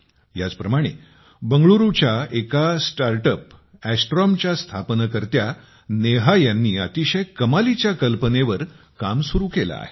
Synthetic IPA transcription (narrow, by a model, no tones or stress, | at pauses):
ja̰t͡spɾəmaɽ̃e | bəŋɡɭuɾut͡ɕjaekasʈaɾʈəpæsʈɾɔmt͡ɕjast̪ʰapnəkəɾt̪ja | neɦajanːiːa̰t̪iɕəjkəmalit͡ɕjakəlpəneʋəɾ | kamsuɾuːkela̰ːɦe